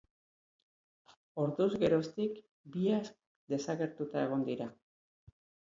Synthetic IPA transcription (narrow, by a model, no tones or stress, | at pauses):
o̞ɾðuzɣe̞ɾo̞st̪ik | biask | d̪e̞saɣe̞ɾt̪ut̪ae̞ɣ̞o̞nd̪iɾa